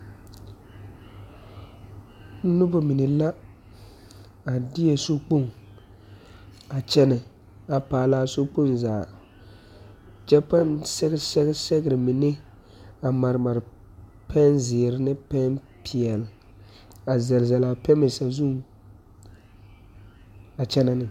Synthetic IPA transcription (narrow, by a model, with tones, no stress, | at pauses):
n̩˦nʊ˦ba˨mi˨nɪ˨la˦ | a˨dɪ˦jɛ˨so˦k͡po˦˨ŋ | a˨t͡ʃɛ˦nɪ˨ | a˨paː˨laː˦so˦k͡po˦˨nzaː˨ | d͡ʒɛ˦pa˦nsɛ˦ɡsɛ˦ɡsɛ˦ɡɪ˨ɾɪ˨mi˨nɪ˦ | a˨ma˨ɾɪ˨ma˨ɾ | pʰɛ˦nzɪː˨ɾɪ˦nɪ˦pɛ˦n | pʰi˨ɛ˨l | a˨zɛ˨lzɛ˨la˨pɛ˦mɪ˨sa˨zu˦ŋ | a˨t͡ʃɛ˦na˦nɪ˨